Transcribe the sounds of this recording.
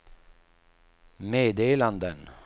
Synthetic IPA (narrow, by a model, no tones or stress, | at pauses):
meːd̪eːland̪ən